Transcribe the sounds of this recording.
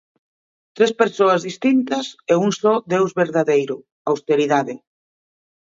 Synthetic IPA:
t̪ɾespeɾsoɐzðist̪int̪ɐsɛuŋsɔd̪ewzβeɾðaðejɾʊ | awst̪eɾiðaðɪ

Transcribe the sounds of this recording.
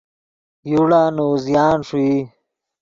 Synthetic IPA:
juɽaːnoːzjaːnʂui

